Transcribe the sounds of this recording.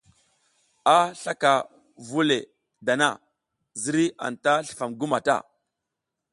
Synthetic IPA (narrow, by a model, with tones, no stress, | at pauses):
a˦ɬa˦ka˨ | vu˦le˨ | da˨na˦˨ | zi˦ɾi˦ʔa̰˨nta˦ɬə̥˨fa˨mɡu˦ma˨ta̰˦˨